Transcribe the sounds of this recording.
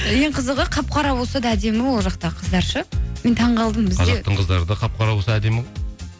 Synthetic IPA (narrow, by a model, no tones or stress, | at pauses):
jeɴqʰəzəʁəqʰɑp̚qʰɑɾɑwo̞lˠsɑd̪ɑæd̪e̞mɪwo̞lˠʒɑqt̪ɑəqʰəzd̪ɑɾʃəme̞nt̪ʰɑɴʁɑlˠd̪əmbɪzqʰɑzɑqt̪əɴqʰəzd̪ɑɾəd̪ɑqʰɑp̚qʰɑɾɑbwosɑæd̪e̞mˠ